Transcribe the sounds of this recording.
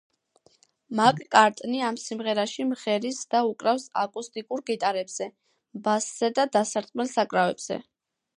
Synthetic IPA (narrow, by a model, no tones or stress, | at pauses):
makʼkʼaɾt̪ʼniamsimʁɛɾaʃimʁɛɾisd̪aukʼɾafsa̰kʼust̪ʼikʼuɾɡit̪ʼaɾɛbz̥ɛ | basz̥ɛd̪ad̪asaɾt̪ʼmɛlˠsakʼɾavɛbz̥ɛ̰